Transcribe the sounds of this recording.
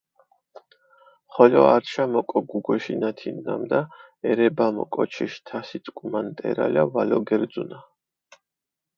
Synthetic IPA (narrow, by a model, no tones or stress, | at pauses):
χɔlɔaɾʃamɔkʼɔɡuɡɔʃinat̪ʰinːamd̪a | ɛɾɛbamɔ̰kʼɔt͡ʃʰiʃt̪ʰasit̪t̪ʼkʼumant̪ʼɛ̰ɾa̰lavalɔɡɛɾd̪zuna